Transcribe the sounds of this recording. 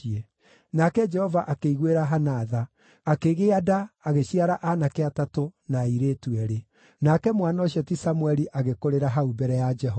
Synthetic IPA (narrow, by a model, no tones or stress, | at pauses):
iɛ | nakɛd͡ʒɛhɔvaʔakeiɣweɾaɦanaðaː | keɣeadaːɣeɕiaɾaʔanakeatatonaiɾeːtuɛɾe | nakɛmwanɔɕjɛtisamuɛɾiʔaɣekoɾeɾaɦaubɛɾɛjad͡ʒɛɦɔ